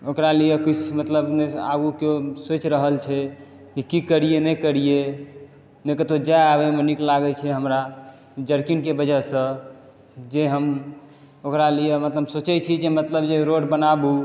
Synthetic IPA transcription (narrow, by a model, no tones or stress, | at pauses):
okɾalijekut͡ʃʰmət̪ləbnea̰ɡukesot͡ʃɾəɦəlt͡ʃʰɛ | kikikəɾijenɛkəɾije | nekət̪od͡ʒajabemeniklaɡɛt͡ʃʰɛɦəmɾa | d͡ʒəɾkinkebəd͡ʒəsə̃ | d͡ʒeɦəm | okɾalijemət̪ləbsot͡ʃɛt͡ʃʰid͡ʒemət̪ləbd͡ʒeɾoɖbənabu